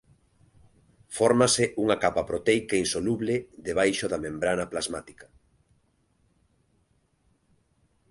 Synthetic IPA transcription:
fɔɾmasɪʔuŋakapapɾot̪ejkainsoluβlɪðeβajʃoðamẽmbɾanaplazmat̪i̥kḁ

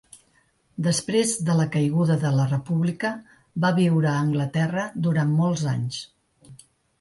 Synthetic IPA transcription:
d̪əspɾezðələkəjɣ̞uðəðələrəpuβlikə | baβiwɾəːŋɡlət̪ɛrəd̪uɾammɔlˠza̰ɲs

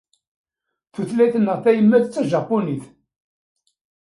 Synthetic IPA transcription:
θuθlæθnːəʁθæjəmːæθt͡sːæʒɑpːuniθ

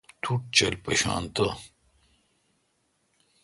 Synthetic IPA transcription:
t̪ʰuʈ̚t͡ɕɐlpɐɕɑ̰ːnt̪ɐ

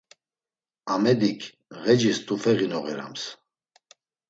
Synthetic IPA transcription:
amɛd̪ikʰ | ʁɛd͡ʒist̪ʼufɛʁinɔʁɛɾa̰ms

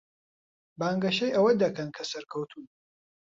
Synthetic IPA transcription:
baːŋɡɐʃɐjʔɐwɐd̪ɐkɐnkʰɐsɐɾkʰɐwt̪ʰuːn

